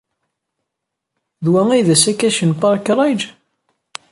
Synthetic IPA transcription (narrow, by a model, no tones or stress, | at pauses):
ðwæŋijðæsækːæʃənpɑɾˤkːɾˤɑjd͡ʒ